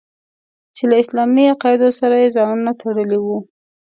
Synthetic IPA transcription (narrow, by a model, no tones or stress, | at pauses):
t͡ʃelaɪslɑmiaqɑjɪd̪osaɾajezɑnunat̪ʰaɽəliwu